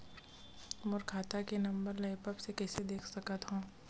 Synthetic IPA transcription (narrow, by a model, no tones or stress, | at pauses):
mʊɾkʰaːt̪akenɐ̃mbəɾlɐɪpəbsekɛːsed̪eːkʰsɐkət̪ɦõː